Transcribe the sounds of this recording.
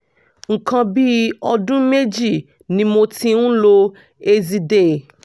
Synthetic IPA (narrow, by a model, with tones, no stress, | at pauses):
ŋ̩˨kã˧bi˦ɔ˧dũ˦me˦d͡ʒi˦˨ | nĩ˧˦mo˧tĩ˧nũ˦lo˧ | e˧zi˧de˨